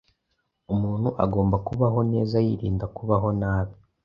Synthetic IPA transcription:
umuːnhuʔa̰ɡo̞ːmbakuβaɦo̞ne̞ːzajiɾḭːndakuβaɦo̞naːβi

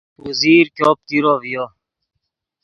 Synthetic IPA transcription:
uziːɾkjoːp̚t̪iɾovijo

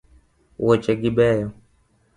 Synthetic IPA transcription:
wɔt͡ʃɛɡiɓɛjɔ

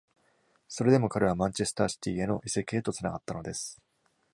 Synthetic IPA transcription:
so̞ɾe̞d̪e̞mo̞kaɾe̞β̞amãɲt͡ɕe̞sɨ̥t̪aːɕi̥t̪ʲiːe̞no̞ʔise̞ke̞ːt̪o̞t͡sɨnaɡat̪ːano̞d̪e̞sɨ̥

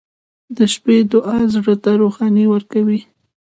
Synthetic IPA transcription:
d̪əʃped̪ʊʔɑzɽət̪aɾoxɑniwəɾkawi

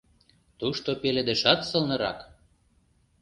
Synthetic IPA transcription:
t̪uʃt̪opeled̪ĕʃɑt̪sɤ̆lnɤ̆ɾɑ̰k

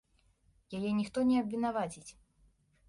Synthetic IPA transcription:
jajɛnʲixt̪ɔnʲɛɐbʲvʲin̪avat͡sʲit͡sʲ

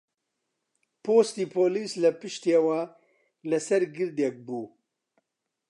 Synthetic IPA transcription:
pʰost̪iːpʰoːliːslɐpɨʃt̪eːwɐ | lɐsɐɾɡɨɾd̪ek̚buː

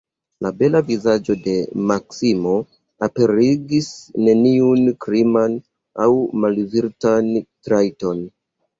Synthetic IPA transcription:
labe̞lavizad͡ʒo̞de̞maksimo̞ | ape̞ɾiɡisne̞niunkɾiman | awmalviɾtantɾajto̞n

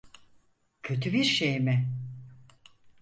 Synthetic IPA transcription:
cʰø̞t̪ʰybiɾʃejmɪ

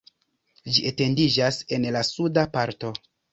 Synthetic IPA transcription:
d͡ʒiʔete̞ndid͡ʒase̞nlasudapaɾto̞

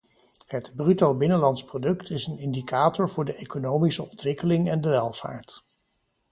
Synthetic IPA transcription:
hətbrytowbɪnəlɑntsprodɵktʰɪsənɪndikaːtɔɹvʊːɹdəʔejkonowmisəɔntʋɪkəlɪŋɛndəʋɛlˠv̥a̰ːɹt

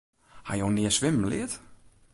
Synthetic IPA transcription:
ha̰joːnɪəsʋɪmm̩lɪ̰ət

